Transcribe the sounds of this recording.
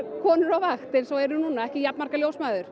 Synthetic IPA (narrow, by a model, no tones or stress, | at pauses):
kʰɔːnʏɾawvaxt̪ɪnsowɛɾʏnuːnaɛhcɪjapnmaɾ̥kaljowsmaːjðʏɾ̥